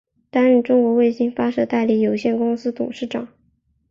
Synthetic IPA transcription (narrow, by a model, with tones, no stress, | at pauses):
t̪a˥nɻy˥˩ʈ͡ʂʊ˥ŋkwɔ˧˥we˥˩ɪɕi˥ŋfa˥ʂɤ˥˩t̪a˥˧ɪli˥˩jo˨˩ʊɕjɛ˥˩nkʊ˥ŋsɹ̩˥t̪ʊ̰˨˩ŋʂɻ̩˥˩ʈ͡ʂɑ̰˨˩˦ŋ